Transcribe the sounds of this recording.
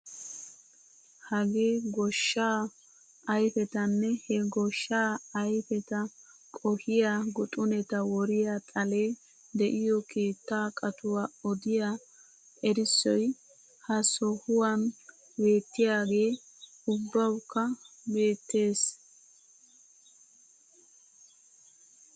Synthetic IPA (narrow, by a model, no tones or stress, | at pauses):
hɐɡe̞ːɡɔʃːaː | ɐjfɛt̪ɐnːɛhɛɡɔʃːaːjfɛt̪ɐkʼɔhɪjaːɡʊt̪ʼʊnɛt̪ɐwɔɾɪjat̪ʼɐle̞ː | d̪ɛʔɪjɔkʰe̞ːt̪ːaːkʼɐt̪ʊwaːɔd̪ɪja | ɛɾɪsːɔj | hɐsɔhʊwɐn | be̞ːt̪ːɪjaːɡe̞ː | ʊbːɐwkːɐbe̞ːt̪ːe̞ːs